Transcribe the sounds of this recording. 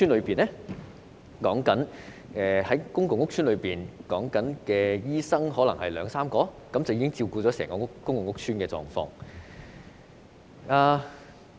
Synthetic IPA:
yː˥nlɵ˨˧ɥpiː˨˩nɛ˥ | kɔː˨˥ŋkɐ˨˥nɛː˨hɐ˨˦jkʊ˥ŋkʊ˨˧ŋʊ˥k̚t͡ʃʰyː˥nlɵ˨˧ɥpiː˨˩nkɔː˨˥ŋkɐ˨˥nkɛː˧jiː˥sɐ˥ŋɦɔː˨˥lɐ˨˩ŋhɐ˨jlœː˨˧ŋsaː˥mkɔː˧ | kɐ˨˥mt͡sɐ˨wjiː˥ɪ˥ŋt͡siː˧wkuː˧t͡sɔː˨˥sɛː˨˩ŋkɔ˧˥kːʊ˥ŋkʊ˨ŋʊ˥k̚t͡sʰyː˥nkɛː˧t͡sɔ̰ː˨ŋfɔ̰ː˧˥ŋ | aː˧

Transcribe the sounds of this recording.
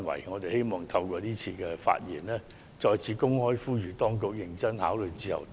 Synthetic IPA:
nwɐ̰˨˩jŋɔː˨˧t̪e˨jhe˥jmɔː˨˩ŋt̪ʰɐ˧wkʷɔː˧t̪iː˥t͡sʰiː˧kɛː˧fa̰ː˧t̚jiː˨˩nlɛː˥ | t͡sɔː˧jt͡sʰiː˨˧kʊ˥ŋhɔː˥jfuː˥ɥyː˨˩t̪ɔː˥ŋkʊ˨k̚jɪ˨˩ŋt͡sɐ˥nhaː˨˥wlɵ˨˧jt͡siː˥jɐ̰˨˩w

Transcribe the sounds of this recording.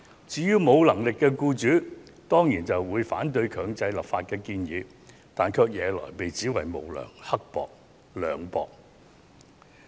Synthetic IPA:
t͡siː˨˧˥jyː˥mo˨˧wlɐ˨˩ŋlɪ˨kːɛː˧kuː˧t͡ʃyː˨˥t̪ɔː˥ŋjiː˨˩nt͡sɐ˨wwuː˨˧jfa̰ː˨˥nt̪̬ɵ˧ɥkʰœː˨˧ŋt͡sɐ˧jlɐ˨pfaː˧t̚kɛː˧kiː˧njiː˨˧ | t̪aː˨nkʰœː˧k̚jɛː˨˧lɔ̰ː˨˩jpe˨jt͡siː˨˥wɐ̰˨jmo̰˨˩wlœ̰ː˨˩ŋhɐ˥k̚pɔ̰ː˨k̚ | lœː˨ŋpɔ̰ː˨˧k̚

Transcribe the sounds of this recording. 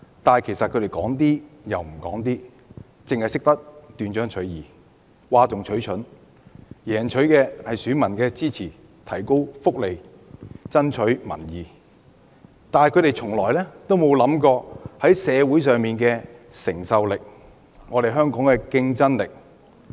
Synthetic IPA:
t̪aː˨kʰe˨˩jsɐt̚kʰɵ˨˧ɾe˨jkɔː˨˥ŋt̪̬iː˥jɐ˨wm̩˨˩kɔː˨˥ŋt̪iː˥ | t͡sɪ˨ŋhɐ˨jsɪ˥k̚t̪ɐ˥k̚t̪yː˧nt͡ʃœː˥ŋt͡ʃʰɵ˨˥ɥjiː˨˩ | waː˧t͡sʊ˨ŋt͡ʃʰɵ˨˥ɥt͡ʃʰɵ˨˥n | jɛː˨˩nt͡ʃʰɵ˨˥ɥkɛː˧hɐ˨jsyː˨˥mɐ˨˩nkɛː˧t͡siː˥t͡sʰiː˨˩ | t̪ʰɐ˨˩jko˥wfʊ˥k̚le˨˧j | t͡sɐ˥nt͡ʃʰɵ˨˥ɥmɐ̰˨˩njiː˨˩ | t̪aː˨n˨kʰɵ˨˧ɥɾe˨jt͡ʃʰʊ˨˩ŋlɔː˨˩jlɛː˥t̪o˥wmo˨˧wlɐ˨˥mkɔː˧hɐ˨˥jsɛː˨˧wuː˨˥jsœː˨ŋmiː˨nkɛː˧sɪ˨˩ŋsɐ˧wlɪ˨k̚ | ŋɔː˨˧ɾe˨jɦœː˥ŋkɔː˨˥ŋkɛː˧kɪ˧ŋt͡sɐ˥nlɪ˨k̚

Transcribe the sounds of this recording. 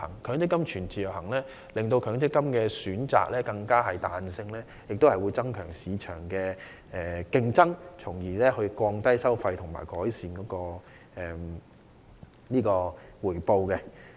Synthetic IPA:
ɐ̰˨˩ŋkʰœː˨˥ŋt͡sɪ˥kːɐ˥mt͡ʃʰyː˨˩nt͡sʰiː˨˩jɐ˨˩whɐ˨˩ŋlɛː˥ | lɪ˨ŋt̪o˧wkʰœː˨˥ŋt͡sɪ˥kːɐ˥mkɛː˧syː˨˥nt͡sa̰ː˨k̚lɛː˥kɐ˧ŋkaː˥ɦɐ˨jt̪aː˨nsɪ˧ŋlɛː˥ | jɪ˨k̚t̪o˥whɐ˨jwuː˨˧jt͡sɐ˥ŋkʰœː˨˩ŋsiː˨˧t͡ʃʰœ̰ː˨˩ŋkɛː˧ | ɛː˨kɪ˧ŋt͡sɐ˥ŋt͡sʰʊ˨˩ŋjiː˨˩lɛː˥hɵ˧ɥkʷɔː˧ŋt̪ɐ˥jsɐ˥wfɐ˧jt̪ʰʊ˨˩ŋma̰ː˨˩jkɔː˨˥jsiː˨˧nkɔː˨˥kɔː˧ | ɛː˨˩m | niː˥kɔː˧wuː˨˩jpo˧wkɛ˧

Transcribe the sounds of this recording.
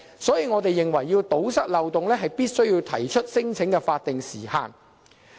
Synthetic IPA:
sɔː˨˥jiː˧ŋɔː˨˧t̪e˨jːɪ˨ŋwɐ˨˩jːiː˧wt̪o˨˥wsɐ˥t̚lɐ˨wt̪ʊ˨ŋlɛː˥ɦɐ˨jpiː˥t̚sɵ˥ɥjiː˧wt̪ʰɐ˨˩jt͡ʃʰɵ˥t̚sɪ˥ŋt͡sʰɪ˨˥ŋkɛː˧faː˧t̚t̪ːɪ˨ŋsḭː˨˩ha̰ː˨n

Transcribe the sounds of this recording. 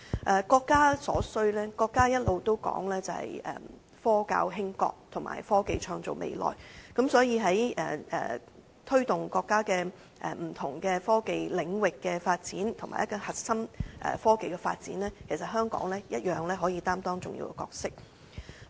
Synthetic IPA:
ʔɛː˨˩kɔː˧kːaː˥sɔː˨˥sɵ˧ɥlɛː˥kɔː˧kːaː˥jɐ˥t̚lo˨˧wt̪o˥wkɔ̰ː˨˥ŋlɛː˥t͡sɐ˨hɐ̰˨jɛ̰˨ | fɔː˥ka̰ː˧wɦɪ˥ŋkɔ̰ː˧k̚t̪ʰʊ˨˩ŋmʔa̰ː˨˩jfɔː˥ke˨˧jt͡ʃʰœː˧ŋt͡so̰˨wmʔḛ˨˧jlɔ̰ː˨˩jkɐ˨˥msɔː˨˥jiː˨˧ɦɐ˨˥jɛ̰ː˨ɛ̰˨ | t̪ʰɵ˥ɥt̪ʊ˨ŋkɔː˧kːaː˥kɛː˧ | ʔɛ̰˨m̩˨˩t̪ʰʊ˨˩ŋkɛː˧fɔː˥ke˨jlɪ˨˧ŋwɪ˨kːɛː˧faː˧t̚t͡siː˨˥nt̪ʰʊ˨˩maː˨˩jɐ˥kɔː˧hɐ˨t̚sɐ˥mʔɛ̰ː˨˩fɔː˥ke˨jkɛ˧fa̰ː˧t̚t͡siː˨˥nlɛː˥kʰe˨˩js̬ɐ˨t̚ɦœː˥ŋkɔ̰ː˨˥ŋlɛː˥jɐ˥t̚jœː˨ŋlɛː˥ɦɔː˨˥jiː˧t̪aː˥mt̪ɔː˥ŋt͡sʊ˨ŋjḭː˧wkɛ̰˧kɔː˧k̚sɪ˥k̚

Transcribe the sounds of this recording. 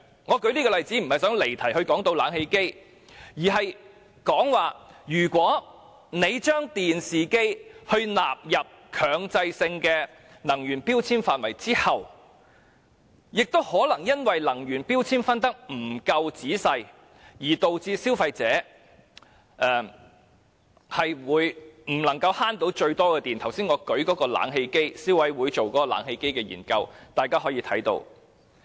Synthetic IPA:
ŋɔː˨˧kɵ˨˧ɥliː˥kɔː˧lɐ˨jt͡siː˨˥m̩˨˩hɐ˨jsœː˨˥ŋle˨˩jt̪ʰɐ˨˩jhɵ˧ɥkɔː˨˥ŋt̪o˧wlaː˨˥nhe˧jke˥j | jiː˨˩ɦɐ˨j | kɔː˨˥ŋwaː˨jyː˨˩kʷɔː˨˥ | ne˨˧jt͡ʃœː˥ŋt̪iː˨nsiː˨ke˥jhɵ˧ɥna̰ː˨p̚jɐ˨p̚kʰœː˨˧ŋt͡sɐ˧jsɪ˧ŋkɛː˧ | nɐ˨˩ŋjyː˨˩npiː˥wt͡sʰiː˥nfaː˨nwɐ˨˩jt͡siː˥hɐ˨w | jɪ˨k̚t̪o˥whɔː˨˥lɐ˨˩ŋjɐ˥nwɐ˨jlɐ˨˩ŋɥyː˨˩npiː˥wt͡sʰiː˥nfɐ˥nt̪ɐ˥k̚m̩˨˩kɐ˧wt͡siː˨˥sɐ˧j | jiː˨˩t̪o˨wt͡siː˧siː˥wfɐ˧jt͡sɛː˨˥ | ʔɛː˨˧ | hɐ˨jwuː˨˥jm̩˨˩lɐ˨˩ŋkɐ˧whaː˥nt̪o˨˥wt͡ʃɵ˧ɥt̪ɔː˥kɛː˧t̪iː˨nt̪ʰɐ˨˩wsiː˥ŋɔː˨˧kɵ˨˥kɔː˨˥kɔː˧la̰ː˨˥nɦe˧jke˥jsiː˥wɐ˨˥jwuː˨˧jt͡ʃo˨wkɔː˨˥kɔː˧la̰ː˨˥nhe˧jke˥jkɛː˧jḭː˨˩nkɐ˧wt̪aː˨˩jkaː˥ɦɔː˨˥jiː˧t̪ʰɐ̰˨˥jt̪o̰˧w

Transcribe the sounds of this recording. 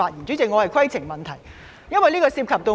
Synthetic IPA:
aː˧t̚ji˨˩nt͡ɕy˨˥t͡sɪ˨kŋɔː˨˧hɐ˨jkʰɐ˥jt͡sʰɪ˨˩ŋmɐ˨nt̪ʰɐ˨˩j | jɐ˥nwɐ˨jliː˥kɔː˧siː˧p̚kʰɐ˨p̚t̪o˧

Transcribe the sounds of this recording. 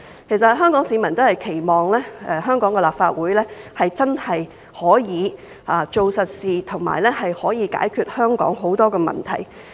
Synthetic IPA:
kkʰe˨˩js̬ɐ˨t̚ɦœː˥ŋkɔː˨˥ŋsiː˨˥mɐ˨˩nt̪o˥whɐ˨jkʰe˨˩jmɔː˨ŋlɛː˥ɛː˨˧ɦœː˥ŋkɔː˨˥ŋkɛː˧laː˨p̚faː˧t̚wuː˨˥jlɛː˥hɐ˨jt͡sɐ˥nhɐ˨j | hɔː˨˥jiː˨˧ | aː˨˧t͡ʃo˨wsɐ˨t̚siː˨t̪ʰʊ˨˩ŋma̰ː˨˩jlɛː˥hɐ˨jhɔː˨˥jiː˨˧ka̰ː˨˥jkʰyː˧t̚hœː˥ŋkɔ̰ː˨˥ŋɦo˨˥wt̪ɔː˥kɛː˧mɐ̰˨nt̪ʰɐ̰˨˩j

